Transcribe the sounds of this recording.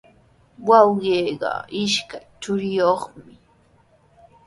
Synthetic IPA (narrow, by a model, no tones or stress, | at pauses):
wɑwɢeːɢɑ̰ɪʃkajt͡ʃʊɾɪjoχmɪ